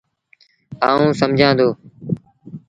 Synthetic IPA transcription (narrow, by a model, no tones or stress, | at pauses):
aːũːsəmd͡ʒʱãːnd̪oː